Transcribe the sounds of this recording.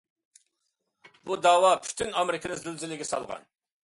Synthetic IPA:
bud̪ɑːwɑpʰy̥t̪ʰynɑmɾɪkʲʰɪnɨzylzɪlɪɡʲɛsɑ̰lˠʁɑ̰n

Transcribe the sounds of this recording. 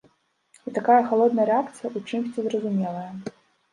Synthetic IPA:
it̪akajɐxalˠɔd̪nɐjəɾɛakt̪sɨjɐʔut͡ʂɨmsʲt͡sʲizrɐzumʲɛlˠɐjɐ

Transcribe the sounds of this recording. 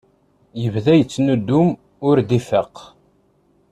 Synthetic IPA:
jəvðæjət͡sːnud̪ːum | ʊɾd̪ifəq

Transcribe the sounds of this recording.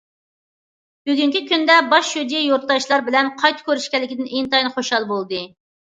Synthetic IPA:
byɡʲyŋkʲikʲynd̪ɛbɑʃjud̪ijejoɾt̪lˠɑʃlˠɑɾbɪlɛnqʰɑjt̪ʰɨ̥kʲʰøɾyʃkʲɛlːɪkʲid̪ɪneŋnt̪ɑjnɨχoʃɑlˠbolˠd̪ɨ

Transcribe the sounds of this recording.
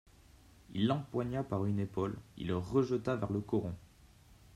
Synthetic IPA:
ḭlːɑ̃pwaɲapaʁynepɔlḭlʁəʒət̪avɛʁləkɔʁɔ̃

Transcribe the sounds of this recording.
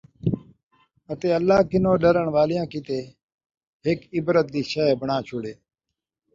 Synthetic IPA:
ət̪eːəlːaːkɪnoːɗəɾəɳʋaːlɪjãːkit̪eː | ɦɪkɪbɾət̪̚d̪iːʃəbʱəɳãːt͡ʃʰoːɽeː

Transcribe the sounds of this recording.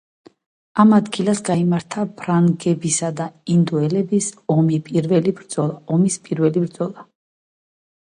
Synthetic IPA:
amad̪ɡilˠasɡaimaɾt̪ʰabʰɾaŋɡɛbisad̪aind̪uɛlɛbisɔmipʼiɾvɛlibɾd̪z̥ɔlˠaɔmispʼiɾvɛlibɾd̪zɔlˠa

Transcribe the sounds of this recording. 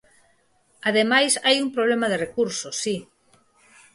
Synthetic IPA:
aðemajsajumpɾoβlemɐðerekuɾsosːi

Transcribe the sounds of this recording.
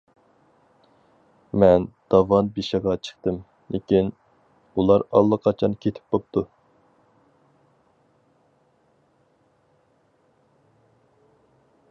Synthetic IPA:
mɛnd̪̥ɑvɑnbiʃɪʁɑt͡ʃʰə̥χt̪ɨm | lʔekʲin | ulˠɑɾɑ̰lˠːəqʰɑt͡ʃʰɑnkʲʰet̪ʰɪ̥p̚bop̚t̪ʰu

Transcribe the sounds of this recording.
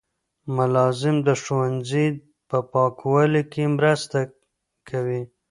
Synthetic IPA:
mʊlɑzɪmd̪əʃowanzi | pəpɑkʰwalikemɾəst̪a | kʰawi

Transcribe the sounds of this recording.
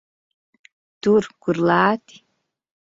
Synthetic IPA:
d̥urɡʷʊrlaːtʰʼi̥

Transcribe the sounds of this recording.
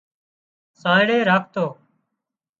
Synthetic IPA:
sãːɪɽeːɾaːkʰt̪oː

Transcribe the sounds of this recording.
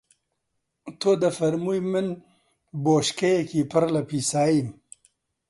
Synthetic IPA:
t̪ʰoːd̪ɐfɐɾmuːjmɨn | boːʃkɐjekiːpʰɨɾlɐpʰiːsaːjim

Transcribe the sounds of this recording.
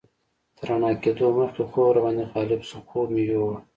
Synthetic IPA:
d̪̥əɾaɳɑːkeːd̪oməxkexoɾabɑːnd̪eɣɑːlɪbsʊxomejoː

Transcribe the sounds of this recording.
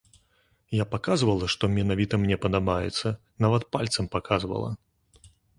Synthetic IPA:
japakazvɐlˠɐʂt̪ɔmʲɛnavʲit̪ɐmnʲɛpɐd̪amajɛ̰t̪sːɐ | navɐt̪̚palʲt̪sɐmpakazvɐ̰lˠɐ̰

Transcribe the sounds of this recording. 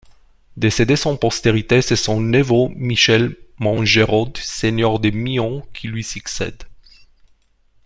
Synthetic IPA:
d̪esed̪esɑ̃pɔst̪eʁit̪esɛsɔ̃nevomiʃɛlmɑ̃ʒeʁɔd̪seɲœʁd̪emiɔ̃kʲʰilɥisyksɛ̰d̪

